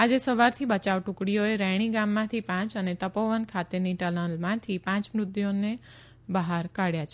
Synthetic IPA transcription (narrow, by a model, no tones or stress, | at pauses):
ad͡ʒesəʋaɾt̪ʰibət͡ʃaʋʈũkɽijoeɾɛɽ̃iɡãmːãt̪ʰipãt͡ʃənet̪əpoʋənkʰat̪eniʈələ̃lmãt̪ʰipãt͡ʃmɾʊd̪jone | bəɦaɾkaɽjat͡ʃʰe